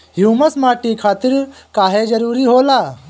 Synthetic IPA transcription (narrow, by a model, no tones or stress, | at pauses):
ɦjuːmɐsmaːʈikʰaːt̪ɪɾ | kaːɦed͡ʒɐɾuːɾiɦoːlaː